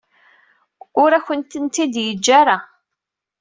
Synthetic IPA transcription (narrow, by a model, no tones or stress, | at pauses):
ʊɾæçənt̪ənt̪id̪jəd͡ʒːaɾa